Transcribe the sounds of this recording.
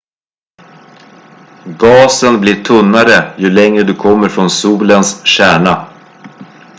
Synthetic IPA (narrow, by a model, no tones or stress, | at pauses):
ɡɑːsənbliːʈʰɵnːaɾəjɵlɛŋɾəd̪ɵkʰɔmːəɾfɾɔnsuːlənsɕæːɳa